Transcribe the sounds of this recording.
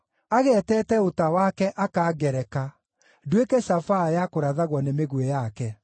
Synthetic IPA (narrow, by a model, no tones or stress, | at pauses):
aɣɛːtɛtɛotawakɛʔakaɡɛɾɛka | dwekɛʃafajakoɾaðaɣwɔnemeɣwɛjakɛ